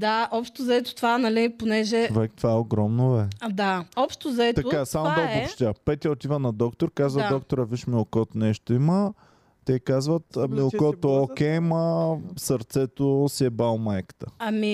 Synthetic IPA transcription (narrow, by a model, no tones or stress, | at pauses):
d̪aʔɔpʃt̪ozɐɛt̪ʊ̥t̪ovanɐliponɛʒɛt͡ʃovɛk̚t̪vaɛoɡɾɔmnovɛd̪aɔpʃt̪ozɐɛt̪ɐoasamod̪aɡopʃt̪ʲapɛt̪ʲjəot̪ivənɐd̪ɔkt̪oɾkazvəd̪ɔkt̪oɾɐviʃmilˠkɔt̪nɛʃt̪oimə | t̪ɛkazvət̪milˠkɔt̪ookʲɛməsɐɾt̪sɛt̪osiɛbalˠmɐɛkt̪əɐmi